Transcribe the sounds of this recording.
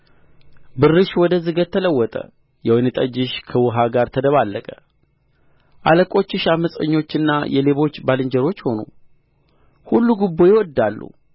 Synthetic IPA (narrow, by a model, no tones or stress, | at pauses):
bɨrːɨʃwɔd̪əzɨɡət̪t̪ʰːələwːɔt̪ʼə̰ | jɛwɔjnɨt̪ʼəd͡ʒɪʃkʰəwʊɦaɡaɾt̪ʰəd̪əβalːəkʼə̥ | ʔaləkʼo̞t͡ʃːɪʃaməsʼə̰ɲːo̞t͡ʃːɪnːa̰jɛle̞βo̞t͡ʃːbalɨɲd͡ʒəɾo̞t͡ʃːho̞nṵ | hulːuɡubːo̞jɪwɔd̪ːalːṵ